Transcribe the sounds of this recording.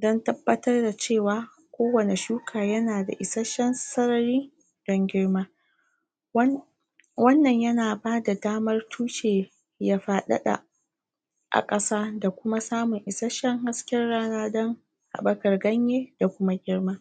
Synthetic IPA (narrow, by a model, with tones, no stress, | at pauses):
dɔ˦ntɐ˦bːɐ˦tɐ˦rda˨t͡ʃeː˦˨waː˨ | kʷoː˦wɐ˨ne˨ʃuː˦kʰaː˨jɐ˦naː˨da̰˨ʔɪ˨sa˦ʃɛ˦nsɐ˦ɾɐ˨ɾiː˦ | d̥ɔ˦ŋɡʲɪ˦rmaː˦ | wɐ˦nːɐ˨ɲjɐ˦naː˨baː˦da˨daː˦mɐ˦rtʰuː˦ʃeː˨ | jaː˦ɸaː˨ɗɐ̰˦ɗa̰˨ | ʔa̰˨kʼɐ˦saː˦da˨kʷʊ˦ma˦saː˦mʊ˨ŋʔɪ˨sa˦ʃɛ˦ŋɦa˦skʲɛ˦rɽaː˦naː˦dɔ˦ŋ | ha̰˨ɓɐ˦kɐ˨rɡɐ˦ɲjeː˦da˨kʷʊ˦ma˦ɡʲɪ˦rmaː˦